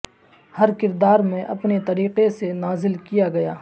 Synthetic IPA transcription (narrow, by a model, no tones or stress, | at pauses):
hɐɾkɪɾd̪aːɾmẽʔɐpnet̪ɐɾiːqesenaːzɪlkijaɡɐjaː